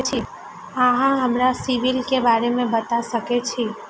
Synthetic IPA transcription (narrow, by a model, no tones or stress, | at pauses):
t͡ʃʰi | əɦãɦəmɾasiʋilkebaɾemẽbət̪asəket͡ʃʰi